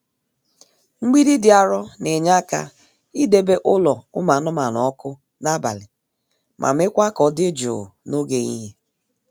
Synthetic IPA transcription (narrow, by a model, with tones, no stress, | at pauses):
ŋ͡m̩˦ɡ͡bi˦di˦dɪ˨a˨ɾɔ˦ne˨ɲa˦ka̰˦ | i˦de˦be˦ʔʊ˦lɔ˨ʊ̰˦ma˨˦nʊ˦ma˨nɔ˨˦kʊ˦ | na˦ba̰˨lɪ˨ | mʔa̰˨m̩˦ɪ˦kʷa˦kɔ˨dɪ˦d͡ʒo̰˨no˦ɡe˨ɲḭ˦ɦe˦